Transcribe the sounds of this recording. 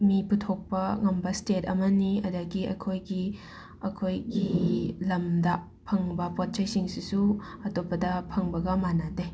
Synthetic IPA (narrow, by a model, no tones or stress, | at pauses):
miputʰok̚pɐŋɐmbɐstetʰɐ̰mɐniɐ̰dɐɡiɐ̰kʰojɡi | ɐkʰojɡilɐmdɐ | pʰɐŋbɐpot̚t͡ʃajsiŋsisuɐtopːɐdɐpʰɐŋbɐɡɐmanade